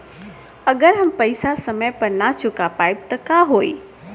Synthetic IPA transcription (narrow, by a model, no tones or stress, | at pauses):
ɐɡəɾɦɐmpɐɪsasɐməjpɐɾnat͡ʃʊkapaːɪb̚t̪ɐkaɦoːḭː